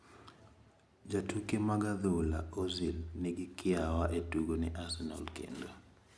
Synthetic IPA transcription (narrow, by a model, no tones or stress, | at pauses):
d͡ʒatukemaɡaðola̰ozilnɪɡɪkɪawaʔetuɡonɛʔasɛna̰lkḛndo